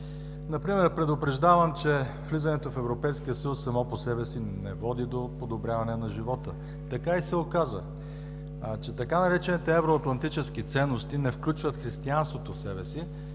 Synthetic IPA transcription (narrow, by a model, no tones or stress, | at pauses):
nɐpɾimɛɾpɾɛd̪opɾɛʒd̪avəmt͡ʃɛ | vlizɐnɛt̪ofɛvɾopɛjskiəsəjusːɐmɔposɛbɛsinɛvɔd̪id̪opod̪obɾʲjavɐnɛnɐʒivɔt̪ə | t̪ɐkaisɛokazə | t͡ʃɛt̪ɐkanɐɾɛt͡ʃɛnit̪ɛɛvɾoɐt̪lˠɐnt̪it͡ʃɛskit̪sɛnːost̪inɛfklʲut͡ʃvət̪xɾist̪ianst̪vot̪ofsɛbɛsi